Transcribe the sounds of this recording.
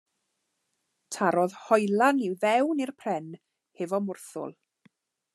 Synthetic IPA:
tʰaɾɔðhɔjlˠaniwvɛwnirpʰr̥ɛn | hevɔmʊrθʊ̰lˠ

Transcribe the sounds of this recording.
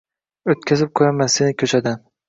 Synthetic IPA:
ot̪kʲʰazɪp̚kʰɵɾamansenɪkʲʰɵt͡ʃʰad̪an

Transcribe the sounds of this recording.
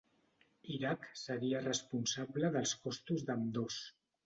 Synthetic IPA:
iɾaksəɾiərəspunsabləðəlˠskɔst̪uzd̪əmd̪os

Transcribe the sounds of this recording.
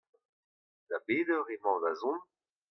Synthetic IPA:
labeːdøʁemɑ̃lazɔ̃n

